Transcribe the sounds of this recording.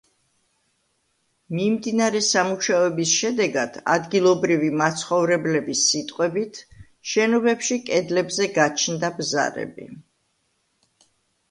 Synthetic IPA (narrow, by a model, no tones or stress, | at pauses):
mimd̪inaɾɛsamuʃaɔɛbisʃɛd̪ɛɡad̪̥a̰d̪ɡilˠɔbɾivimat̪sʰχɔvɾɛblɛbisːit̪ʼqʼwɛbit̪ʰ | ʃɛnɔbɛpʃikʼɛd̪lɛbzɛɡat͡ʃʰnd̪abza̰ɾɛ̰bḭ